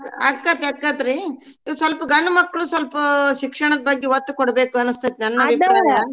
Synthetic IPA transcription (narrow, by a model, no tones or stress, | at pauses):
ɐkːat̪ɐkːɐt̪ɾiː | iʋɐsɐlpɐɡɐɳːɐmɐkːɐɭuːsɐlpɐʃikʂɐɳɐd̪ɐbɐɡːɛʋɐt̪ːukɔɽbeːkuɐnɨst̪ɐt̪̚nɐnːɐbikɐa